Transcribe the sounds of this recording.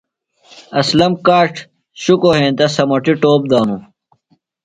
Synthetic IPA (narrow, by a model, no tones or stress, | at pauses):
ɐslɐmkaːʈʰ | ɕukoɦẽːnt̪ɐsɐmɐʈiʈoːp̚d̪aːnũ